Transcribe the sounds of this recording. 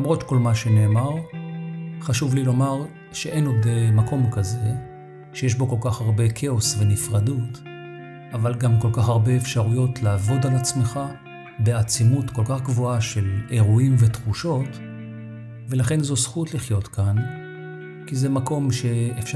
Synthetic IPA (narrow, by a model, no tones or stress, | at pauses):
mʁo̞t̪ko̞lmaʃe̞ne̞ːmaʁ | χaʃuvlilo̞maʁ | ʃeʔe̞nodemako̞mkaze̞ | ʃejeʃbo̞ko̞lkaχaʁbe̞kʰeosve̞nifʁadut | avalɡamko̞lkaχaʁbe̞efʃaʁujo̞tlaːvo̞dalat͡sme̞χa | beat͡simutko̞lkaχɡvoaʃe̞le̞ʁuimve̞tχuʃo̞t | ve̞laχe̞nzosχutliχjo̞tkan | kizemako̞mʃe̞ːfʃ